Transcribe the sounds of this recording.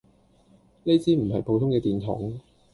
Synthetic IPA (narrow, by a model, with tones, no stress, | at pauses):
ne˥t͡siː˥m̩˨˩ɦɐ˨jpʰo˨˧wt̪ʰʊ˥ŋkɛː˧t̪iː˨nt̪ʰɔ̰ː˨˥ŋ